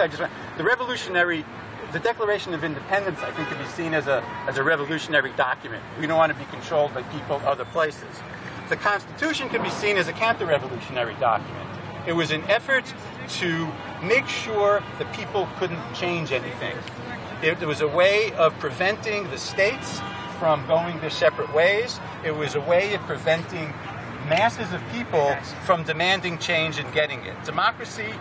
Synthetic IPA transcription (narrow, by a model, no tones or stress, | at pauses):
aɪd͡ʒʌstw | ðɨɹɛvəlʉʃɨnɛɹi | ðɨdɛklˠə˞eɪʃɨ̃nʌvɪ̃ndɨpʰɛ̃ndɨ̃nsaɪθɪ̃ŋkɨ̃nbisĩnɨzəɨzɨɹɛvəlʉʃɨnɛɹidɑkjɨmɨ̰̃nʔ̚widõnwɑ̃nɨbikʰn̩tʰɹ̥oʊlˠd̚baɪpʰipl̩ˠʌðə˞pʰl̥eɪsɨz̥ | ðɨkʰɑ̃nstɨtʰʉʃɨ̃nkɨ̃nbisĩnɨzɨkʰæ̃ntə˞ɹɛvəlʉʃɨnɛɹidɑ̰kjɨmɨ̰̃nt | ɨt̚wʌzɨ̃nɛfə˞tʰ | ɨ | meɪkʃʊɹðɨpʰipl̩ˠkʰʊdⁿn̩t͡ʃʰẽɪ̃nd͡ʒɛniθɪ̰̃ŋ | ɪt̚wʌzəweɪʌv̥pʰɹ̥ɨvɛ̃ntɪ̃ŋðɨsteɪts | fɹʌ̃mɡoʊɪ̃ŋtɨsɛpɹɨt̚weɪz | ɪt̚wʌzəweɪʌv̥pʰɹ̥ɨvɛ̃ntɪ̃ŋ | mæsɨzʌv̥pʰipl̩ˠ | fɹʌ̃mdɨmæ̃ndɪ̃ŋt͡ʃʰẽɪ̃nd͡ʒɨ̃nɡɛɾɪ̃ŋɪ̰t̚d̥ɨmɑkɹɨsi